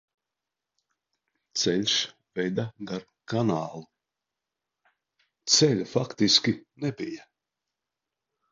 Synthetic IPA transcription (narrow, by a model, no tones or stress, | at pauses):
t̪sɛlʲs | vɛjd̪aɡ̪aɾ | kanaːlˠu | t̪sɛlʲufakt̪iskʲinɛbija